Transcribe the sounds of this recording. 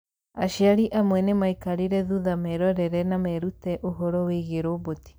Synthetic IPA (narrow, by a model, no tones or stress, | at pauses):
a̰ʃiaɾiʔamwɛnemaikaɾiɾɛðuðamɛɾɔɾɛɾɛnamɛɾutɛʔoɦɔɾɔweɣeɾoboti̥